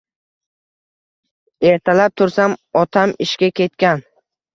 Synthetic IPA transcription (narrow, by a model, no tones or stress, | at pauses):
e̞ɾt̪ʰalap̚t̪ʰʊɾsamɒt̪ʰamɪʃkʲakʲe̞t̪kʲan